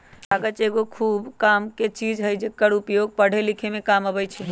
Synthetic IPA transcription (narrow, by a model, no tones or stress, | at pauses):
aɡət͡ʃeɡokʰubkamket͡ʃid͡ʒɦəjd͡ʒekəɽupjoɡ̚pəɽ̤elikʰemekaməbəjt͡ʃʰɛ